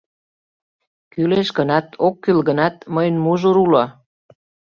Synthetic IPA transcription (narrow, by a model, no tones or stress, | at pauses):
kyleʃkənɑt̪okːylɣənɑt̪̚məjənmuʒuɾulɑ